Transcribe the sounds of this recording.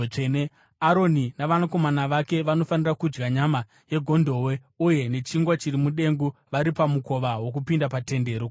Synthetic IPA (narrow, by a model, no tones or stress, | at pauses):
ene | aɾo̞ninaʋanako̞manaʋake̞ʋano̞fanirakud͡ʒɡaɲama | je̞ɡʱo̞ndʱo̞we̞ | uje̞ne̞t͡ʃiŋɡwat͡ʃirimuɗe̞ŋɡuʋaɾipamuko̞ʋawo̞k̬upindapate̞nde̞ːɾo